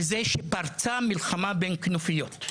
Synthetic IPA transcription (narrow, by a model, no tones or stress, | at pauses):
zeʃepaʁt͡samilχamabenknofijot